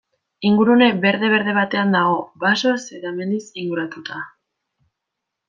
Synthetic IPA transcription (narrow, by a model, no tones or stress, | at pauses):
iŋɡuɾune̞be̞ɾðe̞β̞e̞ɾðe̞β̞at̪e̞and̪aɣ̞o̞baso̞se̞ðaeme̞nd̪isiŋɡuɾat̪ut̪a